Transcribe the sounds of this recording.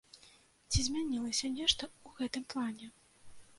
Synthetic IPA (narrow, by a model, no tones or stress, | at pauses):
t͡sʲizʲmʲanʲilˠɐsʲɐnʲɛʂt̪ɐuɣɛt̪ɨmplˠanʲɛ